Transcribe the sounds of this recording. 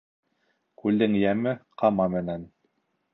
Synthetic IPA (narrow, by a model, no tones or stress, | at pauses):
kʉlːɘŋjæmɘqɑmɑmɘ̆næn